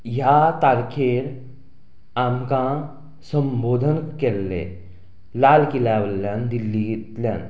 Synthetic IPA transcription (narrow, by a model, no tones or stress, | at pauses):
jat̪aːɾkʰeːɾ | aːmkã | sə̃mboːd̪ʱənkelːḛ | laːlkilaːʋəlaːnd̪ilːit̪ljaːn